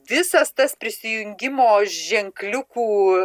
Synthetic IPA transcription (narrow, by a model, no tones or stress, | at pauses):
ʋʲɪsɐst̪ɐspʲɾʲɪsʲɪjʊŋʲɡʲɪmoːʒʲɛŋklʲʊkuː